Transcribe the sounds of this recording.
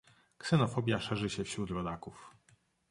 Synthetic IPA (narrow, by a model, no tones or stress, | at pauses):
ksɛnɔfɔbʲjaʂɛʐɘɕɛfɕɾut̪ɾɔd̪akuf